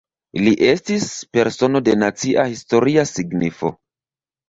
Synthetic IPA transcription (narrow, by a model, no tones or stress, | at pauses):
liʔe̞stispe̞ɾso̞no̞de̞nat͡siʔahisto̞ɾiasiɡnifo̞̰